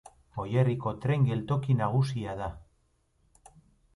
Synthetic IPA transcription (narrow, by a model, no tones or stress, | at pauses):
o̞je̞riko̞t̪ɾe̞ŋɡe̞lt̪o̞kinaɣ̞usiað̞a